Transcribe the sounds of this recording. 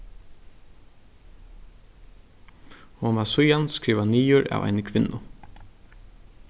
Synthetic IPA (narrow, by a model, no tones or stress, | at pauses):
hɔmasʊjanskɾiːʋaniːʊɾa̰ːʋʔa̰jnəkʰʋɪnːʊ